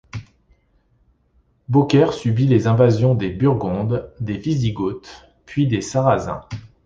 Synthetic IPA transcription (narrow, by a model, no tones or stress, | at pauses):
bokʲɛʁsybilezɛ̃vazjɔ̃d̪ebyʁɡɔ̃d̪d̪eviziɡot̪ | pɥid̪esaʁazɛ̰̃